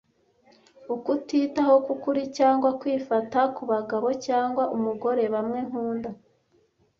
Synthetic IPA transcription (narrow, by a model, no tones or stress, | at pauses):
ukutiːtaho̞kukuɾicaːŋɡwakwiːfatakuβaɡaβo̞caːŋɡwaʔumuɡo̞ɾe̞βamŋe̞ŋ̥uːnda